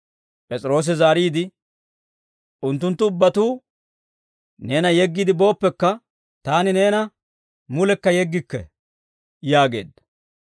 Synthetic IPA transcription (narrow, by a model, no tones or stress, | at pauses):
pʼɛt͡sʼɪɾo̞ːs̬ɪzaːɾiːd̪ɪ | ʔʊnt̪ːʊnt̪ːʊʊbːɐt̪uː | ne̞ːnɐjɛɡːid̪ɪbo̞ːpːɛkːɐ | t̪aːnɪne̞ːnɐ | mʊlɛkːɐjɛɡːɪkːɛ̰ | jaːɡe̞̰ːd̪ːɐ̥